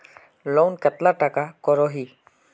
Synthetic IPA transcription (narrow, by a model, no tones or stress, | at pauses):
lonkət̪laʈakakɔɾoːɦiː